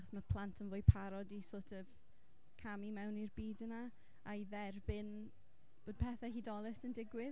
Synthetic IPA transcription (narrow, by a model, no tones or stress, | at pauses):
χɔ̥sməpʰl̥ˠantʰənvʊːjpʰaɾɔdisoːtʰɔv | kʰamimɛwnirbiːdəna | aiðɛrbɪn | b̥oːd̚pʰɛθahiːdɔlˠɪsəndɪɡwɪ